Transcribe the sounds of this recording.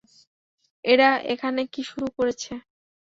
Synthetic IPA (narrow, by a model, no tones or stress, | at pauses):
eɽaʔḛkʰanekiʃuɾukoɾet͡ɕʰe